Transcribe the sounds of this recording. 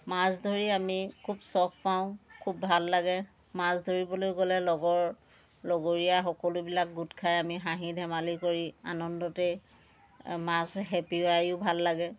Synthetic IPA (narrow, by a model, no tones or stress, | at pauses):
masdʱoɹiamikʰubsɔkpaʊ̃kʰubːʱalːaɡɛ | masdʱoɹibɔlojɡolɛlɔɡɔɹ | lɔɡoɹijaxɔkɔlʊbilak̚ɡutkʰajamixaɦidʱɛmalikoɹia̰nɔndɔtɛ | masɦepiajʊbʱalːaɡɛ